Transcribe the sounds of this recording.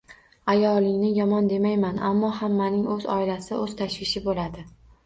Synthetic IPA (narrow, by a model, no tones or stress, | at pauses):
ajɒlˠɪŋnɪjɒmɒnd̪e̞majmana̰mːɒhamːanɪŋɵzɒ̰ɪlasɪʔɵz̥t̪ʰaʃʋɪʃɪbolad̪ɪ